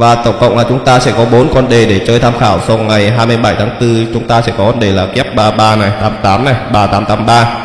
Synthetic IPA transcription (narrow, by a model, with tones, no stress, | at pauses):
vaː˨˩t̪ə˧˩wŋ͡mkə̰˧˨wŋ͡mlaː˨˩t͡ɕʊ˨˦ŋ͡mt̪aː˧sɛ̰˧˥kɔ˨˦ɓo˨˦nkɔ˧nɗe˨˩ɗe˧˩t͡ɕəː˧jt̪ʰaː˧mxaː˧˩wsɔ˧wŋa˨˩jɦaː˧jmɨ˧jɓa˧˩jt̪ʰaː˨˦ŋt̪ɨ˧t͡ɕʊ˨˦ŋ͡mt̪aː˧sɛ̰˧˥˩kɔ˨˦kɔ˧nɗe˨˩laː˨˩kɛ˦˥p̚ɓaː˧ɓaː˧na˨˩jt̪aː˨˦mt̪aː˨˦mna˨˩jɓaː˧˩t̪aː˨˦mt̪aː˨˦mɓaː˧